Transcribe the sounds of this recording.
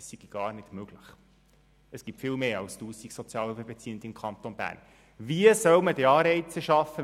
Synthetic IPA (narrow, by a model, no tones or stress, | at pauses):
ssiɡ̥iɡ̥ɑːrnɪd̥møɡ̥lɪχ | əsɡ̥ip̚tfɪlmeːɑlstuːsiksɔt͡sjɑːlyfəbɛt͡siːənd̪ɪmkʰɑnt̪onbæ̰ːrn | viəsœwmədiɑːɾɛɪt͡səʃɑfːə